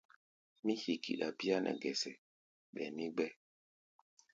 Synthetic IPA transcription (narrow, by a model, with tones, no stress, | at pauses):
mi˦hi˨kḭ˨ɗa˨pi˦a˦nʔɛ̰˨ɡɛ˨sɛ˨ | ɓɛ̰˨ni˦ɡ͡bɛ˦